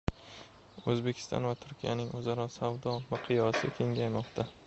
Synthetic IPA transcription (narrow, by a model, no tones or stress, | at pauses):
ɵzbe̞kʲʰɪ̥st̪ɒ̰nvat̪ʰʊɾkʲijanɪŋɵzaɾɒsavd̪ɒmɨqʰɨjɒsɪkʲʰe̞ŋɡʲajmɒqt̪ʰa